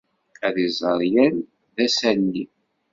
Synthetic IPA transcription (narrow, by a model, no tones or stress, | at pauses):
æðizˤəɾˤjæn | ðæsænːi